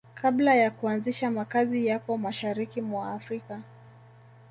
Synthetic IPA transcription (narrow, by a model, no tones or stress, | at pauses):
kʰablajakuanziʃamakazijakɔmaʃaɾikimwaːfɾika